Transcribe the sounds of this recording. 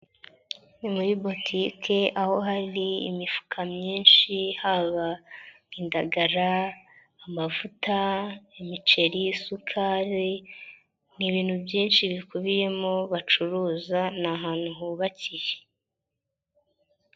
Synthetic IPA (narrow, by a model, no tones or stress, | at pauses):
nimuβibo̞tʰiːkʰe̞ʔaho̞ɦaɾḭːmifu̥kʰamɲiːnʃihaβa | indaɡaɾaː | mavutaimit͡ʃe̞ɾisukʰaːɾe | niβiːn̥hubɟiːnʃiβikuβije̞moβat͡ʃuɾuːzanaɦaːn̥uɦuβacije